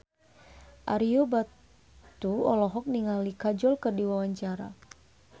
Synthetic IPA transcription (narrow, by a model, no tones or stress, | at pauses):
ʔaɾiɔba | t̪uɔlɔɦɔk̚niŋalikad͡ʒɔlkɨrdiwawaɲt͡ʃaɾa̰